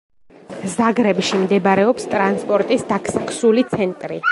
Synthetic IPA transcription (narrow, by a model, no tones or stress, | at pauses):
zaɡɾɛbʃimd̪ɛbaɾɛɔpst̪ʼɾanspʼɔɾt̪ʼisd̪akʰsakʰsulit̪sʰɛnt̪ʼɾḭ